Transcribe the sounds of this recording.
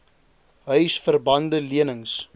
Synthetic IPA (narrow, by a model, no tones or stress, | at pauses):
ɦœɥsfərbɐndəliənəŋs